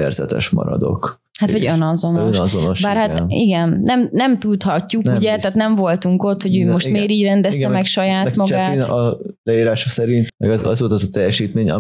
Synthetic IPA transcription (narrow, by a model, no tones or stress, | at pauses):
ɛ̰rzɛ̰t̪ɛ̰ʃmɒ̰ɾɒ̰d̪o̞̰k | hat̪ʋɒɟønɒzo̞noønʃɒzonoʃbaːrhat̪iɡɛnnɛmnɛmt̪ut̪hɒcːuk̪uɟɛt̪aːt̪nɛɱvo̞lt̪uŋko̞t̪ho̞ɟyːmo̞ʃt̪meːɾiːɟrɛnd̪ɛɡt̪ɛmmɛkʃɒjaːt̪mɒt͡ʃɡaːnɒlɛiːɾaːʃɒsɛɾint̪mɛɡzɒzoːlt̪ɒzɒt̪ɛjɛʃiːt̪meːɲɒ̰